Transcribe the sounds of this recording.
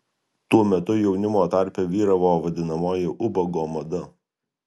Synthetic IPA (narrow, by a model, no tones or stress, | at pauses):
t̪uɔmʲɛt̪ʊjɛʊnʲɪmoːt̪ɑˑɾʲpʲɛʋʲiːɾɐʋoːʋɐd̪ʲɪnɐmoːjɪʔʊbɐɡoːmɐd̪ɐ